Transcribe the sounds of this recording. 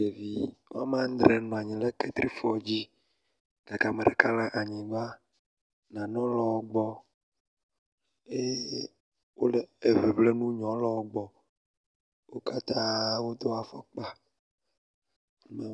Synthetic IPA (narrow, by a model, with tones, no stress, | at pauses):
e˨vi˨wa˦mã˦d̪ɾe˨nɔ̃˨a˨ɲĩ˨lɛ˦ke˦t̪ɾi˦fɔ˨d͡ʑi˦ | ɡa˨ka˨me˨ɖe˨ka˦la˦ʔa˨ɲĩ˨va˦ | nã˨nɔ̃˦lɔ˨wo˦ɡ͡bɔ˦ | e˦ | wo˦le˨e˨ve˨ble˦nũ˦ɲɔ̃˨˦lɔ˨wo˦ɡ͡bɔ˨ | wo˦ka˦t̪ã˦wo˦d̪o˦a˨fɔ̰˦k͡pa˦ | ma˦